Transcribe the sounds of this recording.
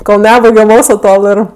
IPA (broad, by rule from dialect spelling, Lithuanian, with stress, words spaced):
koːlˠ ˈnʲæːbɐɪɡʲɛm ˈmoːkslˠʊ ˈtoːlˠ ɪr